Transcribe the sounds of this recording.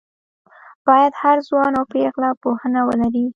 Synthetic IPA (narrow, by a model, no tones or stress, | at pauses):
b̥ɑjad̪haɾzwɑnawpɾeɣlapohənawə̰laɾi